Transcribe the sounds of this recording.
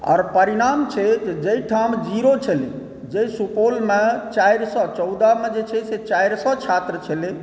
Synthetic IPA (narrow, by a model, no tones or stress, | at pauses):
ɔ̰ːɾpəɾiɾamt͡ʃʰɛt̪d͡ʒeiʈʰamd͡ʒiɾot͡ʃʰəli | d͡ʒesupolmet͡ʃajɾsɔt͡ʃɔwd̪amed͡ʒet͡ʃʰɛset͡ʃajɾsɔt͡ʃʰat̪ɾət͡ʃʰəli